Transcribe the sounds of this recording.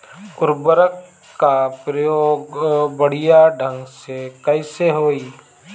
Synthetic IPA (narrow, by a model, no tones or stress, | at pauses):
kʊɾbəɾəkː | apɾəjoːɡbəɽ̤ijaɖʱə̃ŋɡsekəɪseɦoːiː